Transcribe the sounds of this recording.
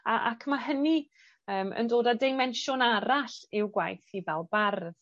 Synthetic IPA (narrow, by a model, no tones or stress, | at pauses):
aʔa̰kʰmaɦəni | əːmə̰ndoːdadejmɛnʃʊnaɾaɬɪwɡwajθivɛlˠbarð